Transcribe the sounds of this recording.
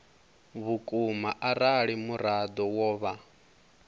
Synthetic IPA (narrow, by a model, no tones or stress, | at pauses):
βukʼumaʔaɾaɺimuɾad̪ɔwɔːβa